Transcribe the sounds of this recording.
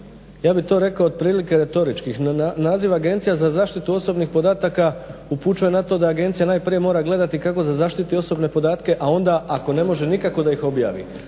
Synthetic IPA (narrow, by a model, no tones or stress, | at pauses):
jaːbit̪o̞ːɾe̞kaoːd̪̚pɾiːlike̞ɾe̞t̪o̞ɾit͡ʃkixnaːziʋaɡe̞nt̪sijazazaːʃt̪it̪uo̞so̞bnixpo̞d̪aːt̪akauput͡ʃujenat̪o̞d̪aːɡe̞nt̪sijanaːjpɾije̞mo̞ːɾaɡle̞d̪at̪ikako̞zazaːʃt̪it̪io̞so̞bne̞po̞d̪aːt̪ke̞ʔao̞nd̪aʔako̞ne̞mo̞ʒe̞nikako̞d̪aixo̞bja̰ːʋḭ